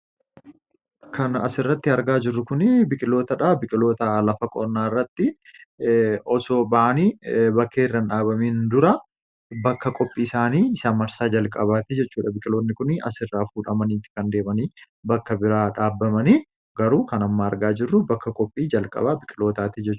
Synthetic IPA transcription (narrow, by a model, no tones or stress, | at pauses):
kʰɐnɐ̰sɪrːɐt̪ːɪɐɾɡaːd͡ʒɪrːʊkʊnɪbɪkʼɪlo̞ːt̪ɐᶑaːbɪkʼɪlo̞ːt̪ɐlɐfɐkʼɔ̰ɾnːaːrːɐt̪ːɪ | ɔsoːbɐʔɐnibɐkːeːrːɐnᶑaːβɐmiːnd̪ʊɾɐ | bɐkːɐkʼɔpʼːiːɪsaːniːɪsaːnmɐɾsaːd͡ʒɐlkʼɐβaːt̪ɪd͡ʒɛt͡ʃːuːᶑɐbɪkʼɪlo̞ːt̪nːɪkʊnɐ̰sɪrːaːfuːᶑɐmɐniːt̪ːɪ̥kɐnd̪e̞ːmɐniː | bɐkːɐbɪɾaːᶑaːbːɐmɐni | ɡɐɾuːkɐnɐmːaːɐɾɡaːd͡ʒɪrːʊbɐkːɐkʼɔpʼːiːd͡ʒɐlkʼɐ̰baːbɪkʼɪlo̞ːt̪aːt̪ɪd͡ʒɛt͡ʃːuː